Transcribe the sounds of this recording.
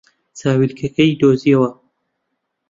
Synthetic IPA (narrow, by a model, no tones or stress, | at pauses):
saːwilkʰɐkɐjd̪oːziɐwɐ